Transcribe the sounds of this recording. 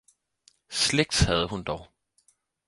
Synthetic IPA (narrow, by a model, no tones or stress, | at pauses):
sleɡ̥d̥shæð̞ˠəɦund̥ɒʊ